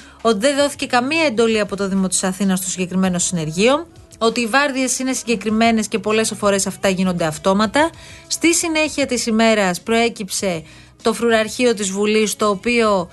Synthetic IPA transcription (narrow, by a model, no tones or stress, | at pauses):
o̞t̪iðe̞nðo̞θi̥ce̞kɐmiɐe̞nd̪o̞liɐpo̞t̪o̞ðimo̞t̪i̥sɐθinɐst̪osiɲɟe̞kɾime̞no̞sine̞ɾʝio̞n | o̞t̪iːvɐɾðie̞sine̞siɲɟe̞kɾime̞ne̞sce̞po̞le̞sɐfo̞ɾe̞sɐft̪ɐʝino̞nd̪eɐft̪o̞mɐt̪ɐ | st̪isine̞çiɐt̪isime̞ɾɐspɾo̞e̞cipse̞ | t̪o̞fɾuɾɐɾçio̞t̪izvulist̪o̞ːpio̞